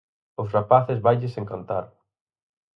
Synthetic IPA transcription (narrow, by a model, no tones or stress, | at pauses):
ʊsrapaθɪzβajʎɪsẽŋkant̪aɾ